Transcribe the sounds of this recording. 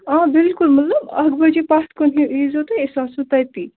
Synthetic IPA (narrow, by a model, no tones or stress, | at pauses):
ãbɪlkulmət̪ləbɐ̰ɦɡbət͡ʃepast̪̚konɦĩizɦot̪əesasut̪ajt̪i